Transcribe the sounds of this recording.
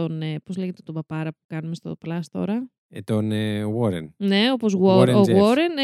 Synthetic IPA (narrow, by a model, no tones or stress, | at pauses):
onepozleʝet̪et̪obɐpɐɾɐpu̥kɐnumest̪o̰plɐst̪o̞̰ɾɐ | et̪oneowoɾḛnne̞o̞po̞zɣwooɣwoɾen